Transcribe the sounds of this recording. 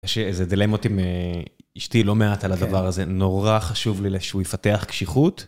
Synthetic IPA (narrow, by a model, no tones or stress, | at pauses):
ʃezed̪ilemot̪imeiʃtilo̞meat̪alad̪avaʁaze̞no̞ʁaχaʃuvlileʃeujfateaχkʃiχut̪